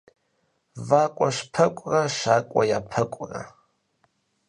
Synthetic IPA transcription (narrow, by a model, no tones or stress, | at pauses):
vakʷʼaʂpʰɐkʷʼrɐʂaːkʷʼa̰japʰɐkʷʼrɐ̰